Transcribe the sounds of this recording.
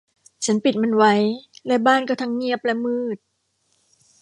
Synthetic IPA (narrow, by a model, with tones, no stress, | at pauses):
t͡ɕʰa˦˥npi˨˩t̪̚ma˧nwa˦˥jlɛ˦˥baː˥˩nkɔː˥˩t̪ʰa˦˥ŋːi˥˩əp̚lɛ˦˥mɯː˥˩t̪̚